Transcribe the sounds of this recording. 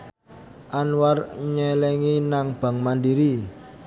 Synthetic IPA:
ʔanwarɲɛlɛŋinaŋb̥a̤ŋmandiɾi

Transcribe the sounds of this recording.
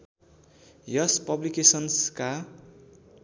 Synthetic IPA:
jʌspʌblikesʌnska

